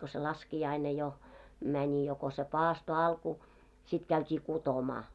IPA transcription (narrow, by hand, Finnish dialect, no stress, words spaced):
ko se lɑskiɑine jo mænʲi jo ko se pɑːsto ɑlku sit kæytʲiː kutomɑː